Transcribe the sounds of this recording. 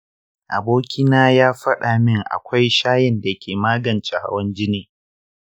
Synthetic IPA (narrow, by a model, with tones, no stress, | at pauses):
ʔa̰˨boː˦kʲɪ˦naː˦jaː˦ɸɐ˦ɗa˨mɪ˦˨ŋʔa̰˨kʷa˦jʃaː˦jɪ˨nda˨kʲeː˨maː˦ɡɐ˨nt͡ʃe˨ha̰˦wɐ˦nd͡ʒɪ˦neː˨